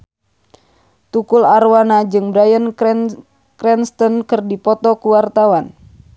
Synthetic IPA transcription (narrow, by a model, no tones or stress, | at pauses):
t̪ukularwanad͡ʒɨŋbɾajən | krɛnst̪ɔnkɨrdipɔt̪ɔkuwart̪awan